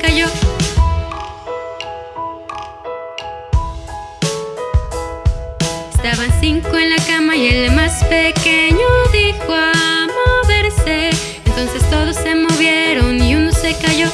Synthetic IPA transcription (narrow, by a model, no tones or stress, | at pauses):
kaʝo | est̪aβansiŋkoenlakamaie̞lmaspekeɲoðixoamoβe̞ɾse | ent̪o̞nse̞st̪o̞ðosːe̞moβje̞ɾoniunose̞kaʝo